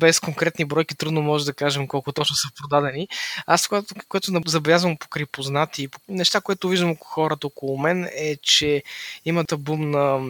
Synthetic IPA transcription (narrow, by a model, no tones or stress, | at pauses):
bɛskoŋkɾɛt̪nibɾɔjkit̪ɾud̪nomɔʒɛd̪ɐkaʒɛmkɔlˠkʊt̪ɔt͡ʃnosɐpɾod̪ad̪ɛniaskat̪kojɛt̪ʊnɐzɐbɛlʲjazvɐmpo̥kɾipoznat̪iːponɛʃt̪akojɛt̪ʊviʒd̪əmokxɔɾət̪əɔkolˠʊmɛnɛt͡ʃɛimət̪ɐbumnɐ